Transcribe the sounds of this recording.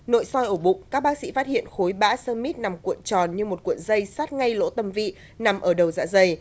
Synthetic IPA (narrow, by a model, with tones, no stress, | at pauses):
no̰˧˨jsɔ˧jʔo˧˩ɓʊ̰˨˧˨ŋ͡mkaː˦˥k̚ɓaː˦˥k̚sḭ˧˥faː˦˥t̚hḭ˧˨ənxo˨˦jɓa̰ː˧˥səː˧ŋmi˦˥t̚na˨˩mkwḭ˧˨ənt͡ɕɔ˨˩nɲɨ˧mo˨˩t̚kwṵ˧˨ənzə˧jsaː˦˥t̚ŋa˧jlo̰˧˥t̪ə˧˩mvḭ˧˨ | na˨˩mʔəː˧˩ɗə˨˩wza̰ː˧˥zə˧j